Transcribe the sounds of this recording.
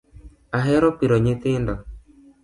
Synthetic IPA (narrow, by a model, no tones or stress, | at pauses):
aɦɛɾɔpiɾɔɲɪθɪndɔ